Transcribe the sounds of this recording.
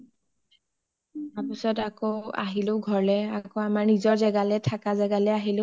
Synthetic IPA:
apisɔtakoa̰ɦilʊɡʱɔɹlɛakoamaɹnizɔɹzɛɡalɛtʰakazɛɡalɛaɦilʊ

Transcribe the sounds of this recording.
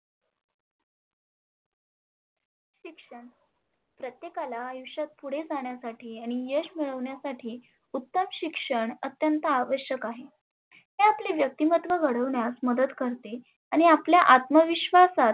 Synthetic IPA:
ɕikʂəɳ | pɾət̪jekalaːjuɕat̪̚puɽ̤ed͡zaɳ̃jasaʈʰiːaɽ̃ijəɕmiɭəʋɳjasaʈʰiː | ut̪ːəmɕikʂəɳət̪jənt̪aːʋəɕjəkaɦe | ɦeapleʋjək̚t̪imət̪ʋəɡəɽəʋɳjasməd̪əd̪kəɾt̪e | aɽ̃iapljaʔat̪məʋiɕʋasat̪̚

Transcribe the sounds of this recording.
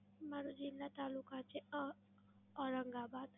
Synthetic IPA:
maɾud͡ʒinat̪alukat͡ʃeə | ɔɾaŋɡabat̪

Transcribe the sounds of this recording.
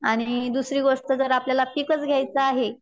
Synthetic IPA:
aɽ̃id̪usɾiːɡoʂʈ̪əd͡zəɾapljalafikət͡sɡʱjajt͡səaɦe

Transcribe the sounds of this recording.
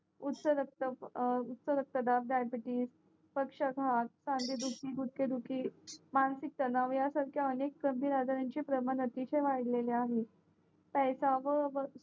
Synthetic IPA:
ut̪səɾək̚t̪əput̪səɾək̚t̪əd̪ab̚ɖajbiʈiːs | pəkʂəɡʱat̪̚sãnd̪iːd̪ukiːɡut̪̚ked̪ukiːmansik̚t̪ənaʋjasaɾkʰjaənekːɾəmbiɾad͡zaɾjaɲt͡ɕepɾəmənət̪iɕejʋajɽleleaɦe | pɛjsaʋəʋə

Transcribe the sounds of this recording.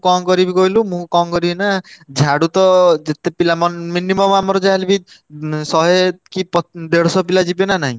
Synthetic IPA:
kɔŋɡɔɾibiɡɔɦilumũkɔŋkɔɾiinad͡ʒʱaɽut̪ɔd͡ʒet̪epilamɔnminimɔmamɔɾɔd͡ʒaɦelibi | sɔɦekipɔd̪eɽɔsɔpilad͡ʒipenanaɦĩ

